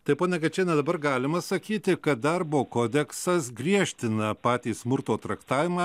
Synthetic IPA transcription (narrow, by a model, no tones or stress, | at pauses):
t̪ɐɪpoːnʲɛkʲɛt͡ʃʲɛːnʲɛd̪ɐbɐrɡɑːlʲɪmɐsɐkʲiːt̪ʲɪkɐt̪̚d̪ɐrboːkoːd̪ʲɛksɐsɡɾʲiɛʃʲt̪ʲɪnɐpɑːt̪ʲiːsmʊɾt̪oːt̪ɾɐkt̪ɑːʋʲɪmɑ